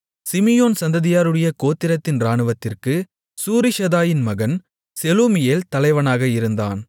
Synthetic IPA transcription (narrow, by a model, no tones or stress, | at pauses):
sɪmɪjoːnsɐnd̪ɐðɪjaːɾɯɽɐjɐkoːt̪ːɪɾɐt̪ːɪnɾaːɳɯʋɐt̪ːɪrkɯ | suːɾɪʃɐðaːjɪnmɐɣɐn | sɛlumɪjeːlt̪ɐlɐɪʋɐnaːɣɐɪɾɯnd̪a̰ːn